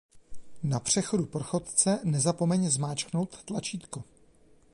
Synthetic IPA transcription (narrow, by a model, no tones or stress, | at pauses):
napr̝̥ɛxo̞dupr̩xo̞t̪t͡sɛnɛzapo̞mɛɲzmaːt͡ʃkno̞wt̪ːlat͡ʃiːt̪ku